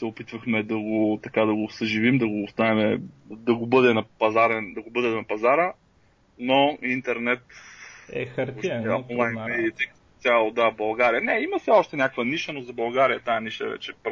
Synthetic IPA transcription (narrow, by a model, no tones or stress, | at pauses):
sɛopit̪vəxmɛd̪ɐɡot̪ɐkad̪ɐɡosəʒivimd̪ɐɡoːst̪anɛmɛd̪ɐɡobɤd̪ɛnɐpɐzaɾɛnd̪ɐɡobɤd̪ɛnɐpɐzaɾə | noint̪ɛɾnɛt̪ɛɾaɔnlˠajnmɛd̪it̪ɛkə̥t̪ot̪ʲjalˠod̪abɐlˠɡaɾijənɛimɐsɛɔʃt̪ɛnʲakəkvəniʃənozɐbɐlˠɡaɾijət̪ajɐniʃə̰vɛ̰t͡ʃɛp